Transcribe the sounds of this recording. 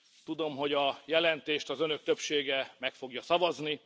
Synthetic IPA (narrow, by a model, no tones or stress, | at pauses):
t̪ud̪o̞mɦo̞ɟɒjɛlɛnt̪eːʃt̪ɒzø̞nøk̚t̪ø̞pʃeːɡɛmɛkfo̞ɡjɒsɒvɒzni